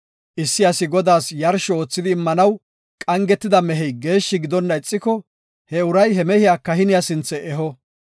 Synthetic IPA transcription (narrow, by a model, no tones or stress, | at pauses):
ʔɪsːɪjɐsɪɡɔd̪aːsjɐɾʃɔo̞ːt͡sːɪd̪ɪːmːɐnɐw | kʼɐŋɡɛt̪ːɪd̪ɐmɛɦɛjɡe̞ːʃːɪɡɪd̪ɔnːɐɪt͡sʼːɪkːɔ | hɛʊɾɐjhɛmɛhɪjakɐhɪnɪjasɪnt͡sːɛʔɛɦɔ